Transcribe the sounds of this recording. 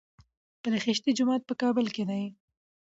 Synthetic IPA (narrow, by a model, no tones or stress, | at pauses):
pəlexɪʃt̪id͡ʒʊmɑːt̪̚pəkɑːbɪlkenaji